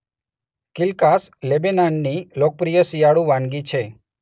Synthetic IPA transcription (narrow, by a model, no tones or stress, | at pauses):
kɪlkaslebenanːilok̚pɾijəsijaɽũʋãnɡit͡ʃʰe